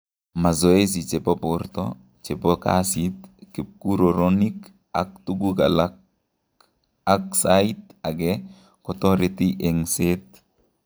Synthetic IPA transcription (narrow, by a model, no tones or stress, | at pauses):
mazɔes̬it͡ʃepɔpɔrtɔ | t͡ʃepɔka̰sitkip̚kuɾoɾɔnik | a̰k̚tuɡuka̰la | aksaitaɡɛ | kɔtɔɾetiʔɛŋset̪̚